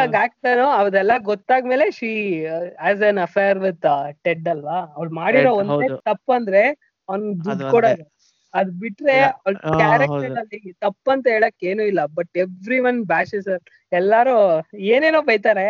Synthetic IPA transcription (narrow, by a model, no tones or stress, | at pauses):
aɡaːk̚ʈɐnoɐʋɐd̪ɛlːɐɡɔt̪ːaːɡme̞ːleʃiːæːzɐnɐfʰejɐɾʋid̪ʈeɖɐlʋɐɐʋɭmaːɽiɾoːond̪eːt̪ɐpːɐnd̪ɾe̞ | ɐʋnd̪uɖkɔɽɐːd̪u | ɐd̪biʈːɾe̞ɐʋɭkaːɾekʈɐɐiŋɡt̪ɐpːɐnt̪ɐɦeːɭoːkːeːnuːilːɐbɐʈeʋɾiʋɐnbaːsisɐɾ | ɛlːaːɾueːneːnoːbɐjt̪aːɾe